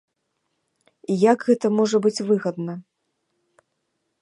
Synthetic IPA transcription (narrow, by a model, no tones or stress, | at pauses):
ijaɡɣɛt̪ɐmɔʐɐbɨt͡sʲvɨɣɐd̪nɐ